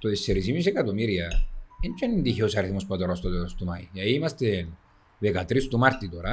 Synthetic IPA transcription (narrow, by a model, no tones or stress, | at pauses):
t̪oesːeɾis̬imis̬ekat̪umiɾjaent͡ʃenind̪içosaɾeθimuspat̪oɾast̪ot̪eɾost̪umajjaimast̪en | bekat̪ɾist̪umaɾt̪it̪oɾa